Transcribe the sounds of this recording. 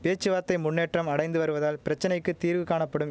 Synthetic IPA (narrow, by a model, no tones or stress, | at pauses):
peːt͡ʃːɯʋaːt̪ːɐɪmʊnːeːʈrɐmɐɽɐɪnd̪ɯʋɐɾɯʋɐðaːlpɪɾɐt͡ʃːɐnɐɪkːɯt̪iːɾʋɯkaːɳɐpːɐɽɯm